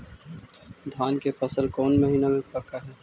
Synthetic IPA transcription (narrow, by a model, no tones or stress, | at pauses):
d̪ʱaːnkefɐsəlkɔːnmɐɦiːnamẽpɐkaɦɛː